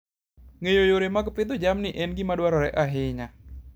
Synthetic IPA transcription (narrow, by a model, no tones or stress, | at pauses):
ŋejojoɾemaɡpɪd̪od͡ʒamniʔɛnɡimadwaɾɔɾɛʔaɦɪɲa